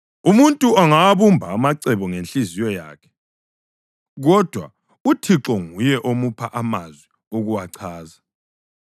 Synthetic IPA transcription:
umuntʼuaŋaβumbʱaːmaǀɛβɔŋenɬʼizijɔja̰ːkʰɛ̥ | ɣɔd̥ʱwa̰ | utʰiǁɔŋujɛʔomupʰaʔamazwi | oɣuwaǀʰaːza

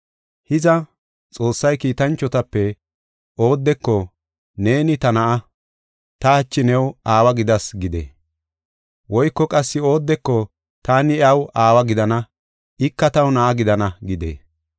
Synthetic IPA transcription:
hɪzɐ | t͡sʼo̞ːsːɐjkiːt̪ɐnt͡ʃːɔt̪ɐpːɛ | o̞ːd̪ːɛkːɔ | ne̞ːnɪt̪ɐnɐʔɐ | t̪ɐɐt͡ʃːɪnɛwaːwɐɡɪd̪ɐsɡɪd̪ḛː | wɔjkːɔkʼɐsːɪo̞ːd̪ːɛkːɔ | t̪aːnɪɐwaːwɐɡɪd̪ɐnɐ | ɪkːɐt̪ɐwnɐʔɐɡɪd̪ɐnɐɡɪd̪ḛː

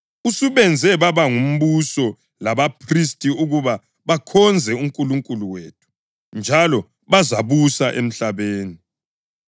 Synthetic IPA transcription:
usuβɛnd͡zʱɛβaβaŋum̩βusɔ | laβapʰristʼiuɣuβa | βakʰɔnd͡zʱɛum̩kʼuluŋkʼuluweːtʰu̥ | nd͡ʒʱalɔ | βazaβusaʔem̩ɬaβeːni

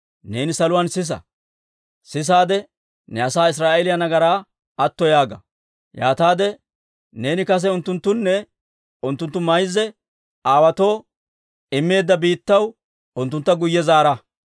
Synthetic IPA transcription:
ne̞ːnɪsɐlʊwaːnsɪs̬ɐ̰ | sɪs̬aːd̪ɛ | nɛɐsaːɪs̬ɾaːʔɛlɪjɐnɐɡɐɾaː | ɐt̪ːɔjaːɡɐ̰ | ja̰ːt̪aːd̪ɛ | ne̞ːnɪkɐs̬ɛʊnt̪ːʊnt̪ːʊnːɛ | ʊnt̪ːʊnt̪ːʊmɐjzːɛ | aːwɐt̪o̞ː | ɪmːe̞ːd̪ːɐbiːt̪ːɐw | ʊnt̪ːʊnt̪ːɐɡʊjːɛzaːɾɐ

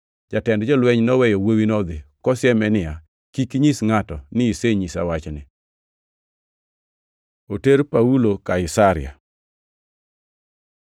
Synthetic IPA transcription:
d͡ʒatɛndd͡ʒɔlwɛɲnɔwɛjɔwowinɔd̪ɪkɔsɪɛmɛnɪa | kikɲisŋatɔnɪiseɲisa̰wat͡ʃnɪ | oteɾpaulokaɪsaɾɪ̰a̰

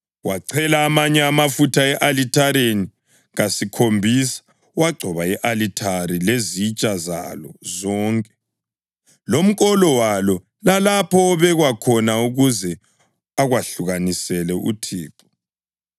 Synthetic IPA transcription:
waǀʰɛlaːmaɲɛamafutʰaɛʔalitʰaɾeni | ɣasikʰombʱisḁ | waɡ͡ǀʱɔβaɛʔalitʰaɾilezit͡ʃʼaza̰lɔzɔːŋkʼɛ | lom̩kʼɔlɔwalɔ | lalapʰɔːβɛɣwakʰɔnauɣuzɛ | aɣwaɬuɣanisɛlɛʔṵtʰiːǁɔ̥

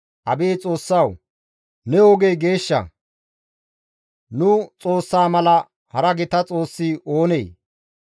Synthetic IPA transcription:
ʔɐbeːt͡sʼo̞ːsːɐw | nɛɔɡejɡe̞ːʃːɐ̰ | nʊt͡sʼo̞ːsːaːmɐlɐ | hɐɾɐɡɪt̪ɐt͡sʼo̞ːsːɪʔoːnej

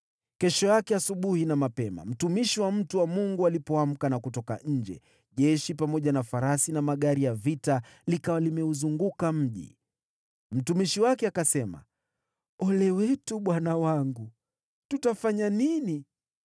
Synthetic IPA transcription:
kɛʃɔjakɛasuɓuhinamapɛma̰m̩tumiʃiwam̩tuwamuŋɡualipɔam̩kanakutɔka̰ʔɲ̩d͡ʒɛ̰ | ʄɛʃipamɔʄanafaɾasinamaɠaɾijavita | likawalimɛuzuŋɡukam̩ʄḭ | m̩tumiʃiwakɛakasɛma̰ | ɔlɛwɛtuɓwanawaŋɡu | tutafaɲanini

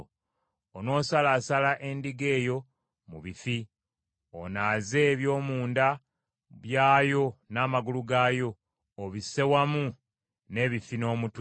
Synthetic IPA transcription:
ono̞ːsalaːsalaʔe̞ndiɡe̞ːjo̞ | muβifi | o̰naːze̞βjo̞ːmuːnda | βjaːjo̞naːmaɡuluɡaːjo̞ː | βise̞wamu | ne̞ːβifino̞ːmutw

